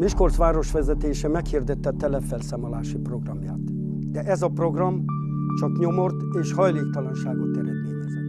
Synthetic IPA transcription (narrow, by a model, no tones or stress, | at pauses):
miʃko̞rsʋaːɾo̞ʃʋɛzɛt̪eːʃɛmɛkhird̪ɛt̪ːɛt̪ːɛlɛfɛlsaːmolaːʃipro̞ɡrɒmja̰ːt̪ | d̪ɛʔɛzɒpro̞ɡrɒm | t͡ʃɒkɲo̞mo̞rt̪eːʃhɒjleːk̚t̪ɒlɒnʃaːɡot̪ɛɾɛd̪meːɲɛz